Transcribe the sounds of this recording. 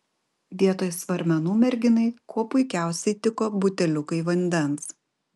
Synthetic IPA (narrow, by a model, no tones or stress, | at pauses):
ʋʲiɛt̪oːjsʋɐɾʲmʲɛnuːmʲɛɾʲɡʲɪnɐɪkʰuɔpʊɪkʲæˑʊsʲɛɪt̪ʲɪkoːbʊt̪ʲɛlʲʊkɐɪʋɐnʲd̪ʲɛns